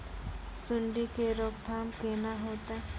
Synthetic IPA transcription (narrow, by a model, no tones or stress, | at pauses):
sʊɳɖikeɾoːkd̪ʱaːmkeːnaɦoːt̪eɛ̃